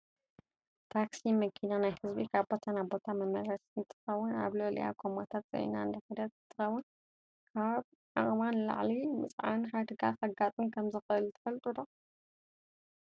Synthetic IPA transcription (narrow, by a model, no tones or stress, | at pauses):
t̪ʰaksimɐkʰinanajhɨzbikʰaβbo̞t̪ʰanabo̞t̪ʰamɐmɐɾɐsnt̪ʰːɨ̥xɐwːʊna̰βlolḭja̰kʰomat̪ʰat̪̚z̥ɐ̰jnaɨnd̪ɐħɐd̪ɐt̪ɨt̪ʰːɨxɐwʊn | kʰaβ | ʕa̰χʼmanla̰ʕlimɨt͡sʼʕa̰nħad̪ɨɡaxɐɡat̪ʼɨnkʰɐmzɨxɨɨlt̪ʰɐ̥fɐlt̪ʼud̪o